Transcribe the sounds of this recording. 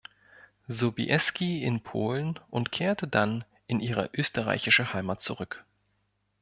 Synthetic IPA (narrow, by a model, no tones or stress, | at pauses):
zobḭʔɛskʰiɪnpʰoːlənʔʊntkʰeːɐtədan | ʔɪnʔiːʁ̞ə̰ʔøːstəʁa̰ɪçɪʃəhaɪmaːt̚t͡suʁʏk